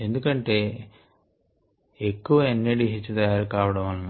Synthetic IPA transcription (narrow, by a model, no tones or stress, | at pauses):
e̞nd̪ukɐɳʈe̞ː | ekːuʋɐenːiɽiɦit͡ʃːut̪ɐjaːɾukaːʋɐɽɐmɐnː